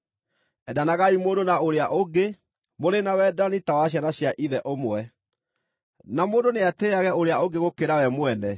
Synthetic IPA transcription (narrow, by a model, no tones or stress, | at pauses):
ɛdanaɣaimoːndonaoɾeaʔoɡe | moɾenawɛdanitawaɕ̬janaɕjaʔiðɛʔomwɛ | namoːndoneateaɣɛoɾeaoɡeɣokeɾawɛmwɛnɛ